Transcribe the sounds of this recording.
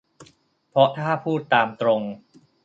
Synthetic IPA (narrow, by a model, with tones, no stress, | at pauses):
pʰɔ˦˥t̪ʰaː˥˩pʰuː˥˩t̪ːaː˧mt̪ɾo˧ŋ